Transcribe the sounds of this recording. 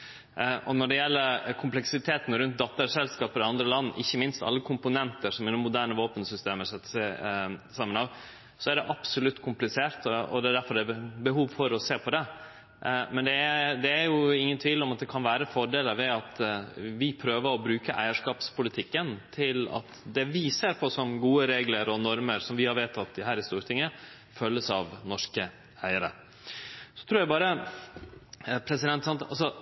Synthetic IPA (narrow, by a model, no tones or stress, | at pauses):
ʔɔnɔɖɛjɛlːəɾkʰʊmplɛksɪt̪ʰeːt̪n̩ɾʉnt̪̚d̪ɑt̪ːəɾʂɛlskɑːpəɾɪɑnd̪ɾəlɑnːʔɪçːəmɪnst̪ɑ̰lːəkʰʊmpʊnɛnt̪əɾʂɔmɪnɔmːʊd̪æːɳəʋoːpənsʏst̪eːməsɛt̪ːsɛsɑmːənɑʋ | sɔæɖɛʔɑpsʊlʉt̪ːkʰʊmplɪseːɾt̪ɔɔ̰d̪ɛæɖ̪æɾfɔɾɖ̪ɛbəɦuːʋfɔɾɔseːpʰɔd̪ɛ | mɛnd̪ɛd̪ɛæɾjʊɪŋːənt̪ʰʋiːlɔmɑt̪̚d̪ɛkʰɑnʋæːɾəfɔɖeːləɾʋɛɑt̪ʋɪpʰɾøːʋəɾɔbɾʉːkəʔæ̰ɪəʂkɑːpspʊlɪt̪ʰɪkːənt̪ʰɪlɑ̰t̪d̪ɛʋɪseːɾpʰɔsɔmɡuːəɾeːɡləɾɔnɔɾməɾsɔmʋɪhɑɾʋeːt̪ʰːɑt̪̚d̪ɪɦæːɾɪst̪uːɾət̪ʰɪŋːə | fœlːəsɑʋnɔʂkə | æɪəɾə̰ | sɔ̥t̪ʰɾuːɾjæɪbɑːɾə | pʰɾɛsɪd̪ɛnt̪ːsɑnt̪ɑlsɔ